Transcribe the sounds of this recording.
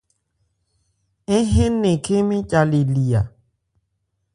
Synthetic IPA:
e˦ɦẽ˦nẽ˨kʰe˦mĩ˦t͡ʃʼa˨le˨li˨a̰˨

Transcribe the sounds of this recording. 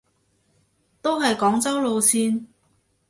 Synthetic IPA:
t̪o˥wɦɐ˨jkɔː˨˥ŋt͡sɐ˥wlo˨˧wsiː˧n

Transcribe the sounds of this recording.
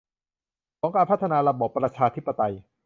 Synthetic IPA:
kʰɔː˩˦ŋkaː˧npʰa˦˥t̪ʰːa˧naː˧ɾa˧bɔː˨˩pːɾa˧t͡ɕʰaː˧t̪ʰi˦˥pːa˧t̪a˧j

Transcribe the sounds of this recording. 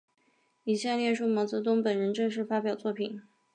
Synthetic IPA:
i˨˩ɕja˥˧ljɛ˥˧ʂu˥˩mɑ˧˥ʊt͡sɤ˧˥t̪̬ʊ˥ŋpə˨˩nɻə˧˥nʈ͡ʂɤ˥˧ŋʂ̬ɻ̩˥˩fa˥pjɑ˨˩ʊt͡swɔ˥˩pʰi˨˩˦n

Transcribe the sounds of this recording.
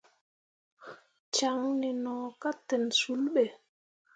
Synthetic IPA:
t͡ʃa˨ŋnɛ˨nɔː˨ka˦tɛ˨nsu˨˦lɓɛ˨

